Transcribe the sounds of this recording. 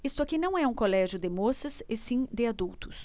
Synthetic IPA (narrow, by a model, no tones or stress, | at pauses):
ist̪ʊakinɐ̃w̃ɛũkolɛʒjʊd̪ɪmosɐsɪsĩd̪ɪad̪uwt̪ʊs